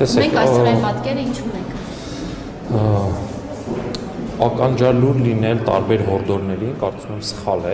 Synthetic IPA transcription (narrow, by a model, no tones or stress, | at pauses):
ɛsɛmɛŋksɑpɑt̪kɛɾəint͡ʃʰunɛŋkʰ | ɑkɑnd͡ʒɑluɾlinɛlt̪ɑ̰ɾbɛɾɦɔɾd̪ɔɾnɛɾinkɑɾt͡sumɛmsə̥χɑlɛ